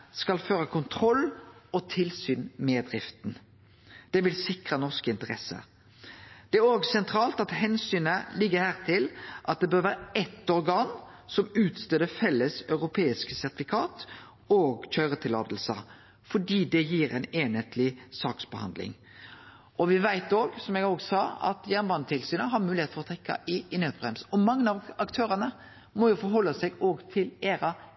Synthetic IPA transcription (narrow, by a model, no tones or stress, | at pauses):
skɑlføːʁəkʰʊnt̪ʰɾɔlːɔt̪ʰɪlsyːnmeːd̪ʁɪft̪n̩ | d̪̥ɛʋɪlsɪkʁənɔʁskɪnt̪əʁɛsə̰ | d̪̥ɛæɾoːɡsɛnt̪ʰɾɑːlt̪ɑt̪hɛnsyːnəlɪɡːəhæːʁt̪ʰɪlʔɑt̪̚d̪ɛbøːʁʋæːɾəɛt̪ːɔɾɡɑːn | sɔmʉːt̪st̪øːd̪əfɛlːəsœʉʁʊpʰeːɪskəsæʁt̪ɪfɪkʰɑːt̪ | oːɡçœʏɾət̪ʰɪlɑ̰ːd̪l̩sə | fɔɖiːd̪ɛjiːɾæɪneːnət̪ʰlɪsɑːksbəhɑ̰nd̪lɪ̰ŋ | ɔʋɪʋæɪt̪oːɡsɔmɛɡoːɡsɑːɑ̰t̪jæʁnbɑnət̪ʰɪlsyːnəɦɑɾmʉːlɪeːt̪fɔʁɔt̪ʰʁɛkːɑ̰ʔɪɪnøːt̪bʁɛmsɔmɑŋːnɑʋɑkt̪ʰøːɾənə | mɔjʊfɔɾɦɔlːəsɛɡoːɡt̪ʰɪleːɾɑ